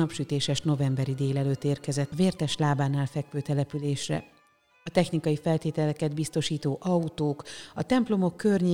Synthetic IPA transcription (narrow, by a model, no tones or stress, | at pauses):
ɒpʃyt̪eːʃɛʃno̞vɛmbɛɾid̪eːlɛløːt̪ːeːrkɛzɛt̪ːɒveːrt̪ɛʃlaːbaːnaːlfɛkʋøːt̪ɛlɛpyleːʃrɛ̰ | ɒt̪ɛxnikɒjifɛlt̪eːt̪ɛlɛkɛd̪bist̪o̞ʃiːt̪oːʔɒut̪oːkɒt̪ɛmplo̞mo̞kːø̞rɲe